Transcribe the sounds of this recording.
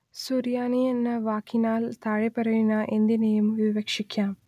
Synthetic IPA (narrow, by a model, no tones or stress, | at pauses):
suɾijaːnijɐnːɐʋaːkʰːinaːlt̪aːɻepɐɾɐjinɐʔend̪inɐjumʋiʋɐkʂikʲːaːm